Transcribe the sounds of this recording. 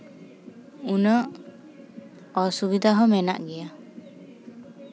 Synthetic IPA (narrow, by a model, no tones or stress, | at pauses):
unɔʔ | ɔsubid̪ʱaɦɔmɛna̰ʔɡɛja